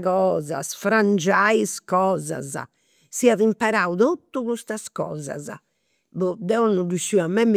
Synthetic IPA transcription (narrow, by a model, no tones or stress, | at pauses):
ɣɔːza̰sfɾand͡ʒaiskɔːza̰za̰ | siaðimpɛɾauðot̪ːuɣust̪askɔ̰ːza̰za̰ | βɔd̪ɛɔnːuduʃːiamːɛm